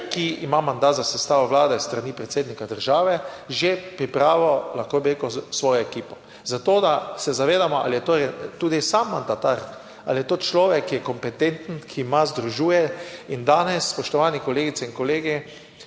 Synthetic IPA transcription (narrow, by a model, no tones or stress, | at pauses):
kiimamand̪at̪zasɛst̪aːʋɔʋlaːd̪ɛist̪ɾanipɾɛt̪seːd̪nikad̪əɾʒaːʋɛʒepɾipɾaːʋɔlaxkobiɾekɔsʋɔːjɔɛkiːpɔ | zat̪oːd̪asɛzaʋeːd̪amɔa̰lijɛt̪oɾɛt̪uːd̪isamːand̪at̪aɾ | a̰ljɛt̪oːt͡ʃlɔːʋɛkːijɛkɔmpɛt̪ent̪n̩kʰimazd̪ɾuʒuːjɛind̪aːnɛsːpɔʃt̪ɔʋaːnikɔleːɡit̪ɛinkɔleːɡi